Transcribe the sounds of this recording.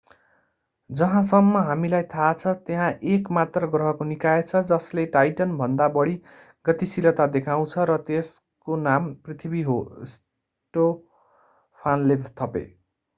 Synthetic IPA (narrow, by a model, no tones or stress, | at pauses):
d͡zʌɦãsʌmːʌɦamilajt̪ʰat͡sʰʌt̪eɦãʔekmat̪rʌɡrʌɦʌkonikaet͡sʰʌd͡zʌsleʈajʈʌnbʱʌnd̪abʌɽi | ɡʌt̪isilʌt̪ad̪ekʰaw̃t͡sʰʌɾʌt̪es | konamprit̪ʰibiɦos | ʈo | pʰanlebt̪ʰʌpḛ